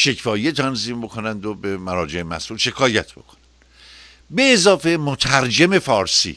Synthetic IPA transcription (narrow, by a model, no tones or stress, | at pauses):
ʃe̞cfɒːjet̪ʰænziːmbo̞kʰo̞nænd̪obemæɾɒːd͡ʒe̞emæ̰sʔuːlʃe̞kʰɒːjæt̪ʰb̥o̞̰kʰo̥nænd̪̥ | beːzɒːfe̞mot̪ʰæɾd͡ʒeme̞fɒːɾsḭː